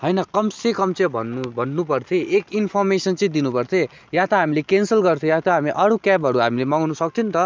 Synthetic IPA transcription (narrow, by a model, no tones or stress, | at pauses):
ɦʌjnʌkʌmsẽkʌmt͡sẽbʱʌ̰nːubʱʌnːupʌrt̪ʰiʔekinpʰʌrmesʌnt͡sʌĩd̪inupʌrt̪ʰẽ | jat̪ʌɦamilekensʌlɡʌrt̪ʰĩjat̪ʌɦamiʔʌɽukapɦʌɾuɦamilemaŋnusʌk̚t̪ʰint̪ʌ